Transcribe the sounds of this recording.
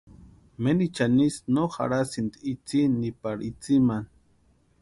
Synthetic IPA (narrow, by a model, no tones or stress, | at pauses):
menit͡ʃanisnoxa̰ɾasind̪iit͡sinipaɽit͡siman